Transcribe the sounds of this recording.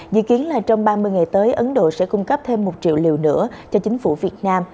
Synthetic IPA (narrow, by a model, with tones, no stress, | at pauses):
zɨ̰˧˨ki˨˦ənlaː˨˩t͡ɕɔ˧wŋ͡mɓaː˧mɨ˧əjŋa˨˩jt̪əː˨˦jʔə˨˦nɗo̰˧˨sɛ̰˧˥kʊ˧ŋ͡mkə˦˥p̚t̪ʰe˧mːo˨˩t̚t͡ɕḭ˧˨əwli˨˩əwnɨ̰˧˥ət͡ɕɔ˧t͡ɕï˨˦ŋ̟fṵ˧˩vi˨˩ət̚naː˧m